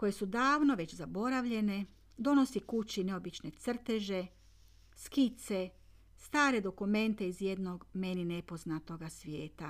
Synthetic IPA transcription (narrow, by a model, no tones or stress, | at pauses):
ko̞je̞sud̪aːʋno̞ʋe̞t͡ɕzabo̞ɾaʋʎe̞ne̞ | d̪o̞no̞sikut͡ɕine̞o̞bit͡ʃne̞t̪sr̩t̪e̞ʒe̞ | skit̪se | st̪aːɾe̞d̪o̞kume̞nt̪e̞izje̞d̪no̞ɡme̞nine̞po̞znat̪o̞ɡasʋjeːt̪a